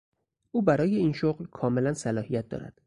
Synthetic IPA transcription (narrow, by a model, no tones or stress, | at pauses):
ʔuːbæɾɒːje̞iːnʃoɢlkʰɒːme̞lænsælɒːhijæt̪̚d̪ɒ̰ːɾæ̰d̪̥